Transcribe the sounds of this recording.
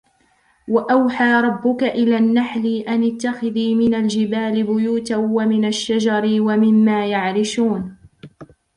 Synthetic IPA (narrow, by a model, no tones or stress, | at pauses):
waʔawħaːɾˤɑbːʊkaʔɪlaːnːaħliːʔanɪt̪ːaxɪðiːmɪnald͡ʒɪbaːlɪbʊjuːt̪awamɪnaʃːad͡ʒɑɾɪwamɪmːaːjaʕɾɪʃuːn